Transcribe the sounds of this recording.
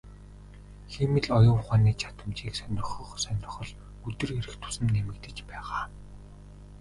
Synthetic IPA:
xemɘ̆ɮɔjʊːχaːniːt͡ɕʰat̪ə̆mt͡ɕiːksœnʲrɪ̆χɞ̆χsœnʲrɞ̆χɞ̆ɮ | ɵt̪ɘ̆reɾɘ̆xt̪ʰʊ̥sə̆mnemɘ̆kt̪ɘ̆t͡ɕpæːʁaː

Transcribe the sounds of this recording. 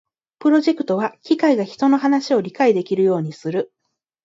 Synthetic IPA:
pɯ̟ɾo̞ʑe̞kɯ̟̥t̪o̞β̞akʲikaiɡaçi̥t̪o̞no̞ɦanaɕio̞ɾʲikaid̪e̞kʲiɾɯ̟jo̞ːɲ̟isɨɾɯ̟

